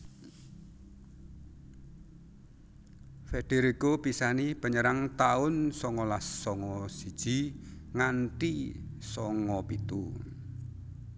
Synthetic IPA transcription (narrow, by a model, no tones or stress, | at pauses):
feɖ̥eɾikopisanib̥ə̤ɲəɾaŋt̪aʊnsɔŋɔlasːɔŋɔsid̥ʒ̥i̤ŋanʈi | sɔŋɔpit̪u